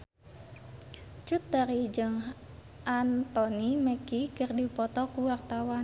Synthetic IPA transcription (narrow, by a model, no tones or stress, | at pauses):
t͡ʃut̪̚daɾid͡ʒɨŋ | ʔant̪ɔniməkikɨrdipɔt̪ɔkuwart̪awan